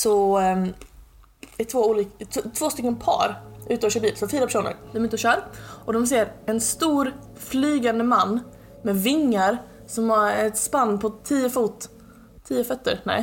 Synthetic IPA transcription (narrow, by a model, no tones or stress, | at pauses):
sɔ | ɛt̪ʰvoːuːlikt̪ʰt̪ʰv̥oːst̪ʏkːənpʰɑ̰ːɾʔʉ̟ːt̪əɔːʃœːbiːlsɔfiːɾapæ̥ʂuːnə̰ɾd̪ɛmɛɪt̪ːɕœːɾʔɔd̪ɔms̬eːɾɛnst̪uːɾ | flyːɡand̪əmanː | mɛvɪŋːaɾ | sɔmhaɾɛt̪spanːpʰɔt̪ʰːiːəfuːt̪ʰː | iːəfœt̪ːə̰ɾnɛ̰j